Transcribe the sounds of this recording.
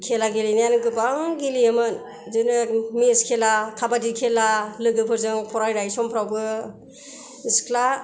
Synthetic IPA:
kʰelaɡelinanɯɡɯbaŋɡilijemɯn | zɯnɯmiskʰelakʰabadikʰelalɯɡɯpʰɯɾzɯŋpʰɔɾajɾajsɔmpʰɾawbɯ | iskʰla

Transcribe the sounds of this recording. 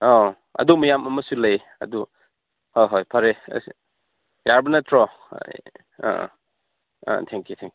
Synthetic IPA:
o | ɐ̰dumɐjamɐmɐsulɐj | ɐ̰du | hojɦojpʰaɾḛs | jaɾbɐnɐtʰɾɔ̰ | tʰɛŋkjutʰɛŋk

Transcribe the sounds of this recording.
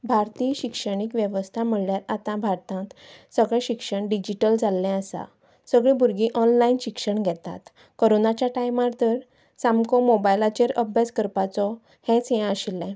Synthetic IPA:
bʱaɾt̪iɕikʂəɽ̃ikʋjeʋəst̪ʰam̤əɭljaɾat̪ãbʱaɾt̪ãt̪səɡɭɛ̃ɕikʂəɳɖid͡ʑiʈəld͡zalːɛ̃əsa̰ | səɡɭĩbʱuɾɡĩʔɔnlainɕikʂəɳɡʱɛt̪a̰t̪ | koɾonat͡ɕjaʈajmaɾt̪əɾ | samkɔmobajlat͡ɕeɾəbʱjad͡zkəɾpat͡sɔ | hɛ̃t͡sjɛ̃əɕilːɛ̃

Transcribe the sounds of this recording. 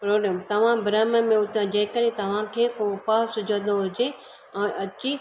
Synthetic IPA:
pɾoːɾɛːmt̪ɐʋ̤ãbɾaːməmẽʊt̪ʰãd͡ʑɐ̃ɦɪkəɗẽt̪ɐʋ̤ãkʰeːkopaːsʊd͡ʑʱə̃nd̪oɦʊd͡ʑe | ɛ̃ʔɐt͡ɕi

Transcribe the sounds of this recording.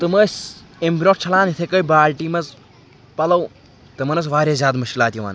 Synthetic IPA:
t̪ɨmɐːsʲ | embʲnoʈt͡ʃʰɐlaːnit̪ʰekɐjbaːlʈiːmɐz | pɐlɐw | t̪ɨmɐnɐsʋaːɾʲeːzʲaːd̪mɐʃkʲilaːt̪ʲjiʋa̰ːn

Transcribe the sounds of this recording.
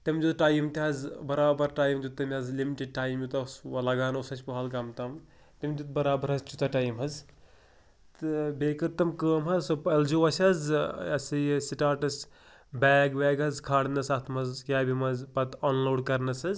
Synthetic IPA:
t̪ɐmʲd͡ʒut̪ʈaːjimt̪iɦɐzbɐɾaːbɐɾʈaːjmd͡ʒut̪ːɐmʲɐzlimiʈiɖ̚ʈaːjmjut̪ɐsɐlɐɡaːnɐwsɐt͡ʃʰʲpɐɦɐlkɐmt̪ɐm | t̪ɐmʲd͡ʒ̪ut̪̚bɐɾaːbɐɾɦɐzt͡ʃut̪ɐʈaːjmɦɐz | t̪ɨbeːkɐɾt̪ɐmkəːmɦɐzsopɐld͡ʒoʋɐsʲɐzɐsɨjsiʈaːʈɐs | bɛːɡʋɛːɡɐzkʰaːɽnɐsaːt̪ʰmɐzkʲaːbimɐzpɐt̪oːnloːɖkɐɾnɐsɐz

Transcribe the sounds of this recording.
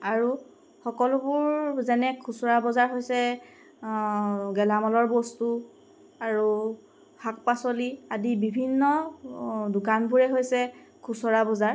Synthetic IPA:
aɹu | xɔkɔlʊbʊɹzɛnɛkʰusɔɹabɔzaɹɦojsɛ | ɡɛlamɔlɔɹbɔstu | aɹu | hak̚pasɔliadibibʱinːɔ | dʊkanbuɹɛɦojsɛkʰusɔɹabɔzaɹ

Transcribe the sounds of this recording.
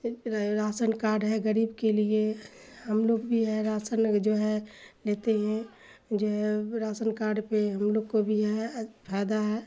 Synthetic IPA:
ɾaːsənkaːɾɖɦɛɡəɾiːbkelie | həmloːɡbʱiɦɛɾaːsənd͡ʒoːɦɛleːt̪eɦɛ̃ | d͡ʒoːɦɛɾaːsənkaːɾɖpeɦəmloːɡkobʱiɦɛpʰaːd̪aɦɛ

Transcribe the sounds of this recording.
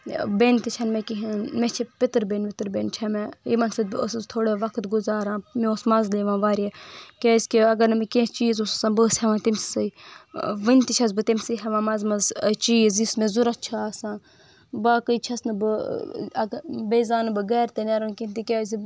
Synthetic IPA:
beːnt̪it͡ʃʰɐnmẽkiɦmet͡ʃʰipɪt̪ɨɾbeːnpɪt̪ɨɾbeːnt͡ʃʰɐmejimɐnsɐbo̰st̪ʰoːɽeʋɐkʰt̪ɡʊzaːɾãːmẽosmɐzleːʋãːʋaːɾʲekʲaːsʲkiɐɡɐɾnɨmekẽst͡ʃiːzossãːbɨshɛʋãːt̪imsi̥sɐi | ʋənt̪it͡ʃʰɐzbɨt̪imsiɦɐʋãːmɐzmɐzt͡ʃiːzismẽzuɾɐtt͡ʃʰaaːsãː | baːkəit͡ʃʰɐsnɨbɨɐɡbeːzaːnɨbɨɡɛːɾt̪enaɾɐnkint̪ikʲaːzi

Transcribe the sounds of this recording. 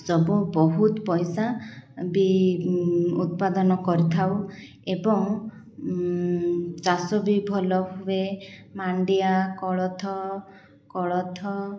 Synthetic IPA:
sɔbubɔɦut̪ɔpɔjsabi | ut̪̚pad̪ɔnɔkɔɾit̪ʰaw | ebɔŋ | t͡ʃasɔbibʱɔlɔɦuemaɳɖiakɔɭɔt̪ʰɔ | kɔɭɔt̪ʰɔ

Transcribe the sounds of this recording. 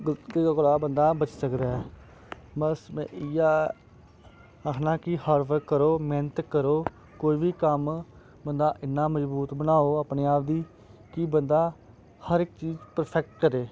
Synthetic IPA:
kːkoɽaːbənd̪aːbət͡ʃsəkd̪aːɛː | bəsm̃ːɪjaː | əkʰnãːkihəːɾʋəɾkəɾoːmeːnət̪kəɾoː | koːiːbiːkəm | bənd̪aːʔɪnːãːməzbuːt̪bənaːoːaːpneːaːp̚d̪iː | kiːbənd̪aː | həɾɪk̚t͡ʃiːd͡ʒpəɾpʰɛk̚ʈ̚kəɾeː

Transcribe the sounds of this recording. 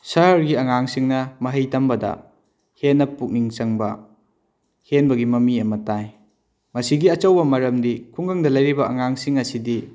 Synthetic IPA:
sɐɦɐɾɡiɐŋaŋsiŋnɐmɐɦɐjtɐmbɐdɐ̰ | henːɐpuk̚niŋt͡ʃɐŋbɐ | henbɐɡimɐmiɐmɐtaj | mɐsiɡiɐt͡ʃɐwbɐmɐɾɐmdikʰuŋɡɐŋdɐlɐjɾibɐɐŋaŋsiŋɐsidi

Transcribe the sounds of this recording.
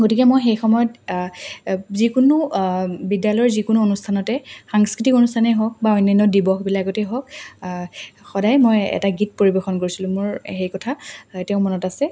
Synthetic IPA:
ɡotikɛmojxejxɔmɔjɔt | zikunubidjalɔjɔɹzikunuonustʰanɔtɛxaŋskɹitikonustʰanɛɦɔk̚baɔjnːajnːɔdibɔxbilakɡotɛɦɔk | xɔdajmojɛ̰taɡit̚poɹibexɔnkoɹisilʊ̃mʊɹxejkɔtʰatɛʊ̃mɔnɔtasɛ

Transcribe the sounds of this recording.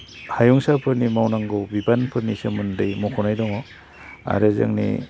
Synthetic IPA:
hajɔŋsapʰɯɾnimawnaŋɡɯwbibanpʰɯɾnisɯmɯndɯjmɔkʰɔnajdɔŋɔ | a̰ɾɯzɯ̰ŋnḭ

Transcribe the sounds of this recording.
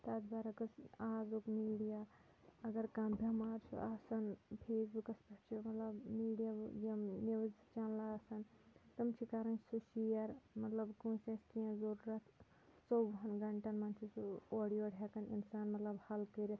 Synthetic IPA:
t̪azbaɾɐkɐsaːzukmiːɽija | ɐɡɐɾkɐmbʱemaːɾt͡ʃʰṵʔaːsɐnpʰeːsbukɐspɐʈt͡ʃʰimɐt̪lɐbmiːɖijajɐmniʋzt͡ʃanlasɐnt̪ɐmt͡ʃʰikaɾɐnsuʃijɐɾmɐt̪lɐbkũseskijãzɐɾuɾɐt̪ʰ | sobɦɐnɡɐɳʈɐnmɐnt͡ʃʰisuoːɽijoːɽʱʲekɐnḭnsaːnmɐt̪lɐbhɐlkəɾi

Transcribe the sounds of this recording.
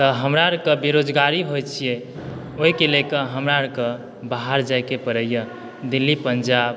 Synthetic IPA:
t̪əɦəmɾaɾkəbeɾod͡ʒɡaɾiɦojt͡ʃʰije | oɦikelekəɦəmɾaɾkə̃ | baɦaɾd͡ʒajkepəɾəjə | d̪ilːipəɲd͡ʒab

